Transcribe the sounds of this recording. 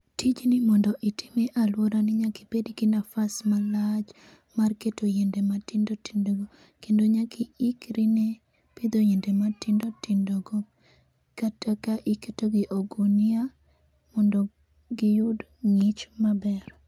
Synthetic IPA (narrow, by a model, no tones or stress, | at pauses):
tʰid͡ʒnɪmɔndɔʔitʰɪmeʔalwoɾanɪɲaki̥pedɡɪnafasmalad͡ʒ | marketojendematɪndoti̥ndoɡo | kendoɲakiikɾine | pid̪ojendematɪndotɪndɔɡo | katakaʔiketoɡɪʔoɡonia | mɔndɔ | ɡɪjʊd | ŋɪt͡ʃmabɛr